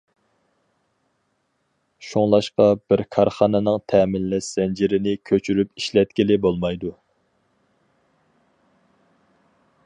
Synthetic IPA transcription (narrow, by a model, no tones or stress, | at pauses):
ʃoŋlˠɑʃqɑbɪɾkʰɑɾχɑnɨnɨŋt̪ʰɛmɪlːɛʃz̥ɛnd͡ʒiɾɪnɪkʲʰøt͡ʃʰyɾypiʃlɛt̪̚kʲilɪbolˠmɑjd̪u